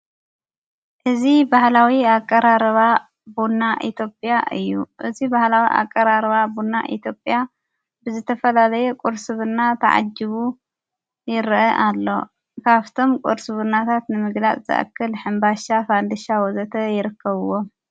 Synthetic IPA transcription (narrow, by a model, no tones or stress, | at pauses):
ʔɨzibahlawiakʼːɐɾaɾɐβa | bunːaʔit̪ʰjo̞pʼjaʔɨjːuʔɨzibahlawḭʔa̰kʼːɐɾaɾβabunːa̰ʔḭt̪ʰjo̞pʼːja | bɨzɨt̪ʰɐfɐlalɐjɛkʼuɾsɨβɨnːat̪ʰɐ̰ʕa̰d͡ʒːɨβu | jɪɾʔɐʔalːo̞̰ | kʰaβt̪ʰo̞mkʼuɾsɨβɨnːat̪ʰat̪nɨmɨɡlat͡sʼzɨ̰ʔɐ̰kʰːɨlħɨmbaʃafand̪ɨʃawɔzɐt̪ʰɐjɪɾɨkʰːɐβɨwo